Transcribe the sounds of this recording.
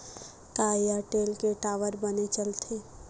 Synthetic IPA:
kaːijaʈeːlkeʈaːʋəɾbənet͡ʃəlt̪ʰeː

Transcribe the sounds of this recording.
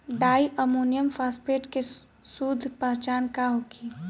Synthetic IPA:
ɖaːiʔəmuːnijəmfaːspeːʈke | suːd̪ʱpəɦt͡ʃaːnkaɦoki

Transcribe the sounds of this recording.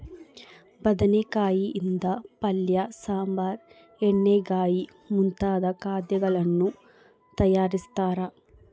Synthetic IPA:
bɐd̪ɐnekaːjiʔind̪ɐpɐljɐsaːmbaːɾ | eɳːeɡaːji | munt̪aːd̪ɐkaːd̪jɐɡɐɭɐnːu | t̪ɐjaːɾist̪aːɾɐ

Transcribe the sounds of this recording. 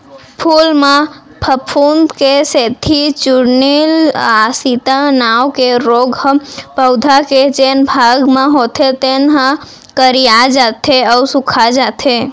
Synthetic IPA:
pʰulme | pʰəpʰund̪keset̪ʰit͡ʃuɽnilasit̪anawkeɾoɡpəʊd̪ʱaked͡ʒenbʱaɡmeɦot̪ʰet̪enɦã | kəɾijad͡ʒat̪ʰeəʊsukʰad͡ʒat̪ʰe

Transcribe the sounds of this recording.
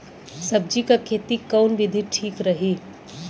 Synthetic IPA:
sɐb̚d͡ʒikakʰeːt̪ikawnʋɪd̪ʱiʈʰiːkɾəɦiː

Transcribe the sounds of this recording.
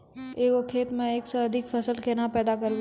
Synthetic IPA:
eːkokʰeːt̪mẽeːksɐɐd̪ʱɪkfʰɐsəlkʰeːnapɛːd̪akɐɾɡ

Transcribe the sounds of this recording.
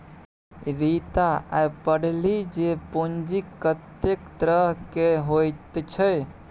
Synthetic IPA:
ɾit̪aapəɽlid͡ʒepond͡ʒikːət̪ekt̪ɾəɦkeɦojt̪t͡ʃʰəj

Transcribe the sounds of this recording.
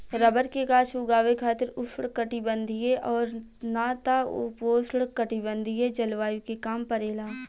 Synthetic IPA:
ɾɐbəɾkekaːt͡ʃʰʊɡaːʋekʰaːt̪ɪɾʊʃɽkəʈibə̃nd̪ʱijeʔɔːɾ | naːt̪aʊ̰poːsɽkəʈibə̃nd̪ʱijed͡ʒɐlʋaːjukekaːmpɐɾeːlaː

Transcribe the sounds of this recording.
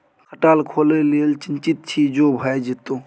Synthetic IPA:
kʰəʈaːlkʰoːleliəlt͡ʃɪnt͡ʃit̪̚t͡ʃʰid͡ʒoːbʱəed͡ʒit̪o

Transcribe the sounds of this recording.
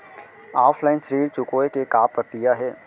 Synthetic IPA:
aːfʰlaːɪnsəɾiːɾt͡ʃʊkoːekekaːpɾɐkɾijaɦɛː

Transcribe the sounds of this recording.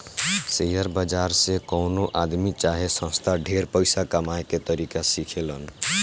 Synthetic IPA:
sejəɾbad͡ʒaɾsẽkɔwnoʔad̪mit͡ʃaɦesə̃st̪ʰaɖʱeɾpəɪsakəmaeket̪əɾikasikʰelən

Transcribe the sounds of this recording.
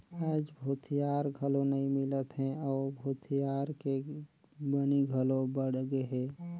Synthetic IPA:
aːd͡ʒbʱoːt̪ʰijaːɾɡʱəlõnəĩmɪlət̪ɦɛ̃ɔːɾbʱoːt̪ʰijaɾke | bəniɡʱəlobəɽ̤ɡeɦɛ̃ː

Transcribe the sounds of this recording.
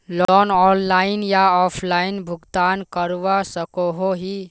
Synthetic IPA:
lɔnɔnlainjaɔpʰlainbʱuɡt̪ankəɾuʋasəkoɦoɦi

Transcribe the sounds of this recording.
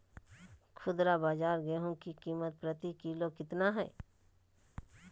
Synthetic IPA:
kʰʊd̪ɾabaːd͡ʒaːɾɡɛːɦõkikiːmət̪̚pɾət̪ikiːlokɪt̪naɦɛ̰ː

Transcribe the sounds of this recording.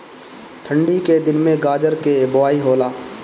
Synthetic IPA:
ʈʰə̃ɳɖiked̪ɪnmẽɡaːd͡ʒəɾkebʊʋaːiɦoːlaː

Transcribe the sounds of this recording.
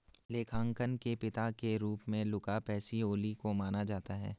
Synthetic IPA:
leːkʰãːŋkənkepɪt̪akeɾuːpmẽlʊkapɛːsioːlikomaːnad͡ʒaːt̪aɦɛ̰ː

